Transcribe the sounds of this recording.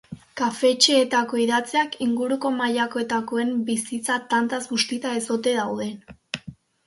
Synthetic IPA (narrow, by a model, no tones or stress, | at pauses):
kafe̞t͡ʃe̞ːt̪ako̞iðat͡seakiŋɡuɾuko̞maʎako̞e̞t̪ako̞e̞mbisit͡sat̪ant̪azɡust̪it͡s̪aeso̞t̪e̞ðawðe̞